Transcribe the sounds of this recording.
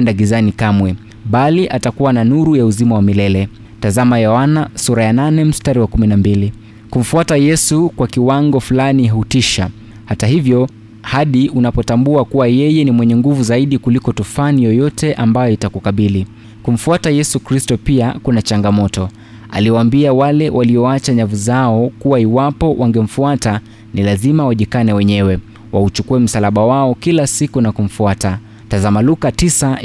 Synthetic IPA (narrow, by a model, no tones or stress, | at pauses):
ɛndaɡizanikamwɛ | ɓaliʔatakuwananuɾujauzimawamilɛlɛ | tazamajɔanasuɾajananɛm̩staɾiwakuminambili | kum̩fuatajɛsukwakiwaŋɡɔfulaniɦautiʃa̰ | hataɦivjɔ | haɗiunapɔtambuakuwajɛjɛnimwɛɲɛŋɡuvuzaiɗikulikɔtufanijɔjɔtɛʔambajɔitakukaɓili | kum̩fuatajɛsukɾistɔpiakunat͡ʃaŋɡamɔtɔ | a̰liwaːmbiawalɛwʔaliɔat͡ʃaɲavuzaɔkuwaiwapɔwʔaŋɡɛm̩fuata | nilazimawaʄikanɛwɛɲɛwɛ | wʔaut͡ʃukuɛm̩salaɓawaɔkilasikunakum̩fuata | tazamalukatisa